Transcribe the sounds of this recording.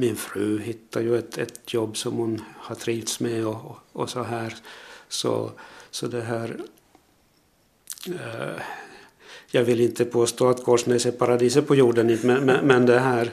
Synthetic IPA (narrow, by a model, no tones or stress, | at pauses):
mɪnfɾʉ̟ːɦɪt̪ːaɾjɵɛt̪ɛt̪jɔbːsɔmhʊnhaʈʰɾiːvt̪smɛɔɔsɔɦæːɾsɔ̰sɔd̪ɛɦæːɾ | jɑːɡvɪlɪnt̪əpʰoːst̪oːat̪ɡoːʂneːsɛpʰaɾad̪iːs̬əpʰɔjuːɖənɪmɛmɛmɛnd̪ɛɦæːɾ